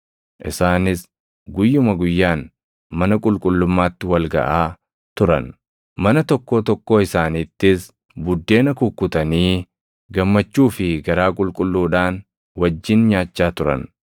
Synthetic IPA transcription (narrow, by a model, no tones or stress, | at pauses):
ʔɪsaːnɪs | ɡʊjːʊmɐɡʊjːaːn | mɐnɐkʼʊlkʼʊlːʊmːaːt̪ːɪwɐlɡɐ̰ʔaː | t̪ʊɾɐ̰n | mɐnɐt̪ɔkːo̞ːt̪ɔkːo̞ːɪsaːniːt̪ːɪs | bʊd̪ːe̞ːnɐkʊkːʊt̪ɐniː | ɡɐmːɐt͡ʃːuːfɪɡɐɾaːkʼʊlkʼʊlːuːᶑaːn | wɐd͡ʒːɪnɲaːt͡ʃːaːt̪ʊɾɐ̰n